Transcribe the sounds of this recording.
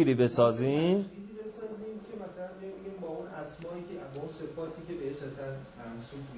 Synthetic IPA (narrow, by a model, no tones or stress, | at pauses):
iːɾiːbe̞sɒːziːmiːɾiːbe̞sɒːziːmcʰe̞mæsælænbejbeɡiːmbɒːunʔæsmɒːʔikʰebɒːunse̞fɒːt̪ʰiːkʰe̞beeʃæsænmæmsul